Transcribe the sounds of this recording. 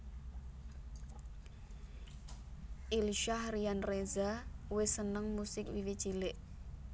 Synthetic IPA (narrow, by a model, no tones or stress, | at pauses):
ʔilʃahrianrezawesənəŋmusɪk̚wiwit͡ʃilɪʔ